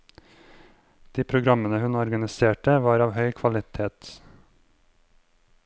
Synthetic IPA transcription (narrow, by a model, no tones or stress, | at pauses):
d̪̥iːpʰɾʊɡɾɑmənəhʉnɔɾɡɑnɪseːʈəʋɑːɾɑːʋhœʏkʰʋɑlɪt̪ʰeːt̪